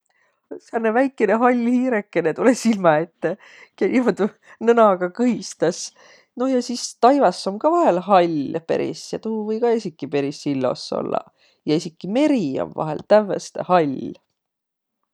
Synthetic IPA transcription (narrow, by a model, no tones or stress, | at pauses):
seɑnːevæjkːˑeneɦɑlʲːhiːɾekːˑe̞net̪ulesilmɑe̞t̪ːe | kenʲimod̪u | nɤnɑɡɑkɤɦist̪ɑs | no̞jɑsist̪ɑjvɑsːo̞mkɑvɑɦe̞lɦɑlʲpḛɾḭsjɑt̪uvɤjkɑesikːˑipe̞ɾisilːo̞̰sːo̞̰lːɑ̰ | jɑesikːˑime̞ɾio̰mvɑ̰ɦḛlt̪ævːḛst̪ḛhɑlʲ